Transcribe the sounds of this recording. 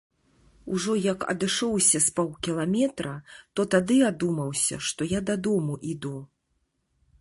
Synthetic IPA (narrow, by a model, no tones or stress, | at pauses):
uʐɔjɐkɐ̰d̪ɨʂɔwsʲɐspɔwkʲilˠamʲɛt̪ɾɐt̪ɔt̪ad̪ɨad̪umɐwsʲɐ̰ʂt̪ɔjad̪ad̪ɔmuʔid̪u